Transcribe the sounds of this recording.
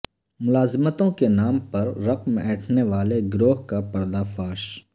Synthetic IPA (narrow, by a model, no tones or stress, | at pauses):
mʊlaːzɪmət̪õkenaːmpɐɾːɐqmɛːʈʰneʋaːleɡɾoːɦkapɐɾd̪afaːʃ